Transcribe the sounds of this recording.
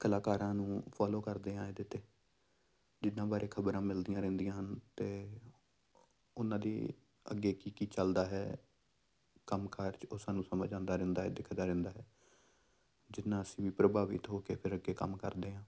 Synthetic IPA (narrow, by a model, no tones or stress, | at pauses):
kəlaːkaːɾãːnũːpʰaːloːkəɾd̪eːɦãːed̪eːt̪eː | d͡ʒɪnːãːbaːɾeːkʰəbɾãːmɪld̪ijãːɾɛ̃nd̪ijãːɦənt̪eː | ʊnãːd̪ḭː | ə̰ɡːeːkiːkiːt͡ʃəld̪aːɦɛː | kəmkaːɾt͡ʃoːsaːnũːsəməd͡ʒãːnd̪aːɾɛ̃ːnd̪aːɦɛːd̪ɪkʰd̪aːɾɛ̃ːnd̪aːɦɛː | d͡ʒɪnːãːəsĩːʋĩːpɾəbaːʋɪ̰t̪ɦoːkeːpʰɪɾəɡːeːkə̰mkəɾd̪eːɦãː